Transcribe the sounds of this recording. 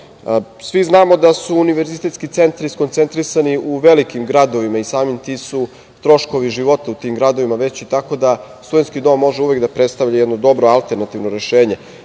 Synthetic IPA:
sʋiznaːmo̞d̪asuːniʋe̞ɾzit̪et̪skit̪se̞nt̪aɾiskot̪se̞nt̪ɾisaniuʋe̞likimɡɾad̪o̞ʋimaisaːmimt̪isu | t̪ɾo̞ʃko̞ʋiʒiʋo̞t̪aut̪iːmɡɾad̪o̞ʋimaʋe̞t͡ɕit̪ako̞d̪ast̪ud̪e̞nt̪skid̪o̞ːmːo̞ʒeuʋekd̪apɾet̪st̪aʋʎajɛd̪no̞d̪o̞bɾoalˠt̪eɾnat̪iʋnoɾe̞ʃeːɲe̞

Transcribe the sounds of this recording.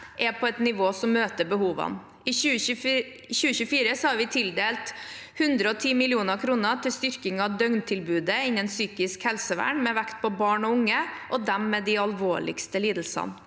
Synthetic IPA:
ʔɛpʰɔɛt̪nɪʋoːsɔmːøːt̪əbəɦuːʋɑ̰n | ɪʉː | ɕʉːəɕʉːfiːɾəsɔhɑɾʋɪt̪ʰɪld̪eːlt̪hʉnd̪ɾəɔt̪ʰiːmɪlɪuːnəɾkʰɾuːnət̪ʰɪlst̪ʏɾkɪŋɑd̪œŋnt̪ʰɪlbʉːd̪əɪnːənsyːkɪskhɛlsəʋæ̰ːɳmɛʋækt̪̚pɔbɑːɳɔʊŋəʔɔd̪ɛmːɛd̪ɪɑlʋoːɭɪ̰kst̪əliːd̪l̩sɑ̰n

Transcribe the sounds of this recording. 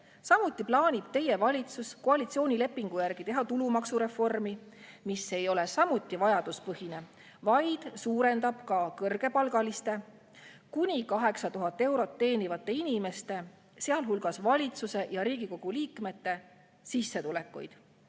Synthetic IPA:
sɑmut̪ˑːiplɑːnʲib̥̚t̪e̞je̞vɑlʲit̪susko̞ɑlit̪sio̞ːnʲile̞pːˑiŋɡ̥ujærɡ̥it̪e̞ɦɑt̪ulumɑksuɾe̞fo̞rmi | mise̞jo̞le̞sɑmut̪ːivɑjɑd̪̥uspɤhine̞ | vɑjd̪̥suːɾe̞nd̪ɑb̥kɑkɤrɡ̥e̞pɑlɡ̥ɑlist̪e̞ | kunʲikɑɦe̞ksɑt̪uɦɑt̪ˑːe̞wɾo̞t̪ːe̞ːnivɑt̪ːˑe̞inime̞st̪e̞ | seɑlɦulɡ̥ɑsvɑlʲit̪suse̞jɑɾiːɡ̥iko̞ɡ̥uliːkme̞t̪ːe̞ | sisːe̞t̪ule̞kːˑṵjd̪̥

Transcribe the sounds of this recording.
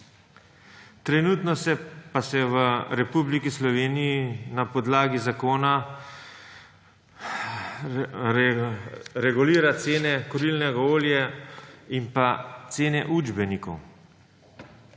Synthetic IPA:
t̪ɾɛnuːt̪nɔsɛpasɛʋəɾɛpublikislɔʋeːnijinapɔd̪laːɡizakoːna | ɾɛɡuliːɾat̪seːnɛkɔɾilnɛɡaoːljɛ | impat̪seːnɛʔud͡ʒbɛnikɔw

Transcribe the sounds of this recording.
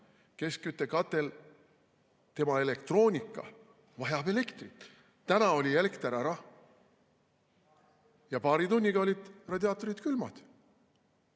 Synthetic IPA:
ke̞skyt̪ːˑe̞kɑt̪ˑːe̞l | t̪e̞mɑe̞le̞kt̪ro̞ːnʲikːˑɑ̰ | vɑɦjɑbe̞le̞kt̪rit̪ | t̪ænɑo̞lʲie̞lekt̪eɾɑɾɑ | jɑpɑːɾit̪unʲːiɡ̥ɑo̞lʲid̪̥rɑd̪ʲiɑːt̪ːˑo̞ɾit̪kylmɑ̰d̪̥

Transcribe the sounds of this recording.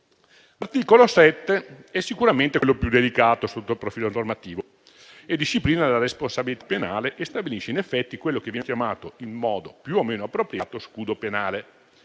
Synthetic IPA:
lart̪iːkolosɛt̪ːeɛsːikuɾament̪elːopjud̪elikaːt̪osot̪ːolpɾofiːlonormat̪iːvo | ed̪ːiʃːipliːnalaɾesponsabilit̪ḁpːenaːleʔest̪abiliʃːeinefːɛt̪ːikwelːokevːɛkjamaːt̪oilmmɔːd̪opjuomeːnoapːɾopɾjaːt̪oskuːd̪openaːle

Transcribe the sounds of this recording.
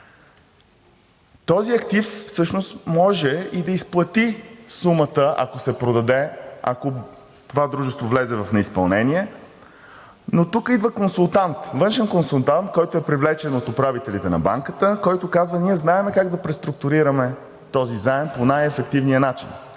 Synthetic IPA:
t̪ɔziɐk̚t̪iffsɤʃnost̪mɔʒɛid̪ɐisplˠɐt̪isumət̪əʔɐ̰kosɛpɾod̪ɐd̪ɛɐ̰ko | t̪ovad̪ɾuʒɛst̪vovlɛzɛvɐfnɛispɐlˠnɛniɛ | not̪ukəid̪vəkonsulˠt̪ant̪vɤnʃɛnkonsulˠt̪ant̪kɔjt̪oɛpɾivlɛt͡ʃɛnot̪opɾavit̪ɛlit̪ɛnɐ̰ba̰ŋkət̪əkɔjt̪okazvəniɛznaɛmɛkaɡd̪ɐpɾɛst̪ɾuk̚t̪ʊɾiɾɐmɛ | t̪ɔzizaɛmponajɛfɛkt̪ivnijənat͡ʃḭn

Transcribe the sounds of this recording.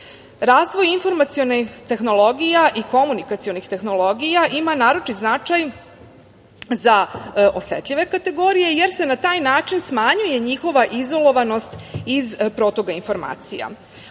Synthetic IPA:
ɾaːzʋo̞jinfo̞ɾmat̪sio̞nit̪e̞xno̞lo̞ɡijaʔiko̞munikat̪sijo̞nixt̪e̞xno̞lˠo̞ɡijaʔimanaːɾo̞t͡ʃit̪znat͡ʃaj | zaʔo̞set̪ʎʲiʋe̞kat̪e̞ɡo̞ːɾije̞je̞ɾse̞nat̪aːjnaːt͡ʃinsmaɲuje̞ɲixo̞ʋaʔizo̞lˠo̞ʋano̞st̪izpɾo̞t̪o̞ɡainfo̞ɾma̰ːt̪sija̰

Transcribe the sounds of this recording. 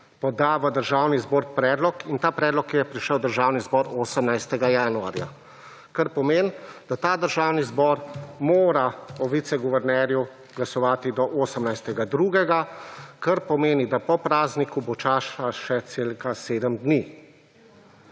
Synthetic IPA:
pɔd̪aːʋad̪əɾʒaːwnizboːɾpɾɛːd̪lɔkint̪aːpɾɛːd̪lɔkjɛpɾiʃəwd̪əɾʒaːwnizbɔɾoːsəmnajst̪ɛɡajaːnua̰ːɾja̰ | kaɾpɔmeːnd̪̥at̪aːd̪əɾʒaːwnizbɔːɾmoːɾaɔʋit̪sɛɡuʋɛɾnɛɾju | ɡlasɔʋaːt̪id̪ɔʔoːsəmnajst̪ɛɡad̪ɾuːɡɛɡakaɾpɔmeːnid̪apɔpɾaːznikubɔt͡ʃaːʃaʃɛt̪seːlkaseːd̪əmd̪ni

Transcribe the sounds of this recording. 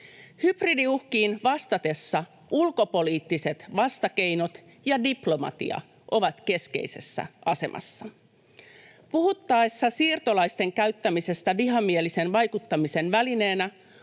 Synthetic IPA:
hybridiuhkiːnʋɑst̪ɑt̪e̞sːɑ | ʔulko̞po̞liːt̪ːise̞t̪ʋɑst̪ɑke̞jno̞t̪ | jɑdiplo̞mɑ̰t̪ḭɑ̰ | ʔo̞ʋɑt̪ke̞ske̞̰ise̞̰sːæ̰ʔɑse̞mʔɑ̰sːɑ | puhut̪ːɑesːɑsiːrt̪olɑjst̪e̞ŋkæɥt̪ːæmise̞st̪æʋiɦɑmielise̞nʋɑjkut̪ːɑmise̞nʋæline̞ːnæ

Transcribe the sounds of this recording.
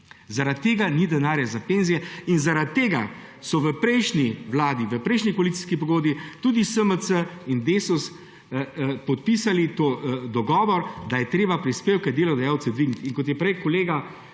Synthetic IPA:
zaɾat̪̚t̪ːeːɡanid̪ɛnaːɾjazapeːnzijɛinzaɾat̪t̪ːeːɡa | sɔʋəpɾɛjʃniʋlaːd̪iʋəpɾɛjʃnikoalit̪si̥skipɔɡoːd̪bit̪uːd̪isəməsəind̪eːsus | pɔt̪̚piːsalit̪od̪ɔɡɔːʋɔɾd̪ajɛt̪ɾeːbapɾispeːwkad̪eːlɔd̪ɐjaːwt̪sɛd̪ʋiɡnit̪iŋkɔt̪jɛpɾɛjkɔleːɡa

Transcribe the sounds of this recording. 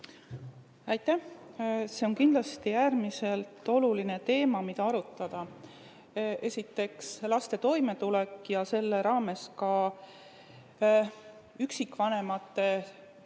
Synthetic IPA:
æjt̪ːˑæhse̞o̞nkind̪lɑst̪ijæːrmise̞lt̪ːˑo̞luline̞t̪e̞ːmɑmid̪ɑɑɾut̪ːˑɑd̪̥ɑ | ʔe̞sit̪ːˑe̞kslɑst̪e̞t̪o̞jme̞t̪ulɛkˑːjɑse̞lːe̞ɾɑːme̞skɑ | yksikːˑvɑne̞mɑt̪ːˑe̞

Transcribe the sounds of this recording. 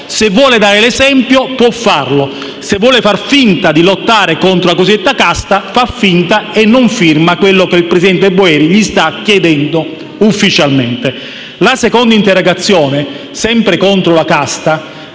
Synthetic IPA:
sevːwɔːled̪aːɾelezɛmpjopwɔfːarlo | sevːwɔːlefarfint̪ad̪ilot̪ːaːɾekont̪ɾolakozid̪et̪ːakast̪afafːint̪aenːoɱfirmakwelːokeilpɾesid̪ɛnt̪boɛːɾiʎist̪akːjed̪ɛnd̪o | ufːit͡ʃalment̪e | lasekond̪aint̪erːoɡat̪sːjɔːne | sɛmpɾekont̪ɾolakast̪a

